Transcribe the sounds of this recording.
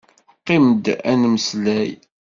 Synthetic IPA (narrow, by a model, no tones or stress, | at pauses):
qːimd̪æ̰nməslæj